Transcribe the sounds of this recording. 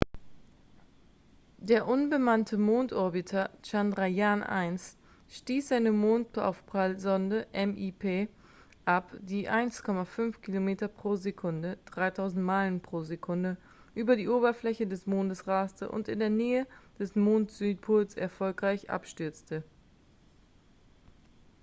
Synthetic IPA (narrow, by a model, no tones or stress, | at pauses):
d̥eːɐʔʊnbəmantʰəmoːntʔɔɐbitʰɐt͡ʃandʁajanʔa̰ɪnst | ʃtiːsz̥aɪnəmoːntʔa̰ʊfpʁ̥alzɔndəʔɛmʔipʰeː | ʔapd̥iːʔaɪnskʰɔmafʏnfkʰilomeːtɐpʁ̥oːzekʰʊndəd̥ʁaɪtʰaʊzn̩tmaɪlənpʁ̥oːzekʰʊndə | ʔyːbɐdiːʔoːbɐflɛçədɛsmoːndəsʁaːstʰə̰ʔʊ̰ntɪ̰ndeːɐnɛːəd̥ɛsmoːntz̥yːt̚pʰʊlsɛ̰ɐfɔlkʁ̥aɪçʔa̰pʃtʏɐt͡stə